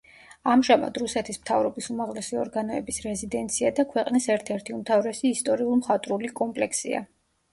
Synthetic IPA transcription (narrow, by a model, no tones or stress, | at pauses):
amʒama̰d̪ɾusɛt̪ʰismt̪ʰavɾɔbisumaʁlɛsiɔ̰ɾɡanɔɛbisɾɛzid̪ɛnt̪sʰiad̪akʰwɛqʼnisɛɾt̪ʰɛɾt̪ʰiumt̪ʰavɾɛsiːst̪ʼɔɾiulˠmχat̪ʼɾulikʼɔmpʼlɛkʰsḭa̰